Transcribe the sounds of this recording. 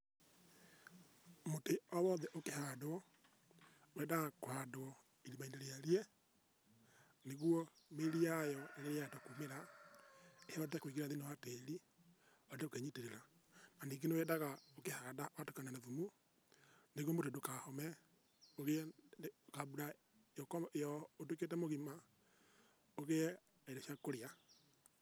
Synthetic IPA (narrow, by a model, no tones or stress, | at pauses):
moteɔwɔðɛʔokehadwɔ | wɛdaɣkohadoɔ | iɾimaindeɾeaɾjɛ | neɣwɔmeɾiajɔeɾeɾeatakumeɾa | ehɔdetakwiɣeɾaðinewateːɾi | ɔdeokeɲiteɾeɾananiɡenewɛdaɣaokehadaʔwatukananaðumu | neɣwɔmotedokahɔmɛ | oɣe | kaβuɾa | eɔkejɔot̬uket̬ɛmoɣima | oɣe | aeɾeʃjakoɾea